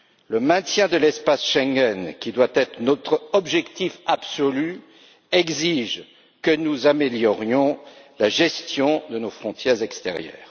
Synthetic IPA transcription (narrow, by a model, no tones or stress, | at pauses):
ləmɛ̃t̪jɛ̃d̪əlɛspasʃɛ̃ŋɡɛnkʲid̪wat̪ɛt̪χənɔt̪χɔbʒɛkt̪ifabsɔly | ɛɡziʒ | kənuzameljɔʁjɔ̃laʒɛst̪jɔ̃d̪ənofχɔ̃t̪jɛʁzɛkst̪ɛ̰ʁjœ̰ːʁ